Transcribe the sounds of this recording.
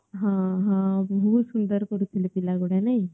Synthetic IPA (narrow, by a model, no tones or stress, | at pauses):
ɦãɦãbbɔɦut̪sund̪əɾkɔɾut̪ʰilepilaɡoɽanaj